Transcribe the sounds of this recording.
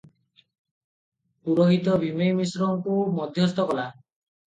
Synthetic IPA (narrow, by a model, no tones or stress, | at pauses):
puɾoɦit̪ɔbʱimejmisɾɔŋkumɔd̪ʱjɔst̪ɔkɔla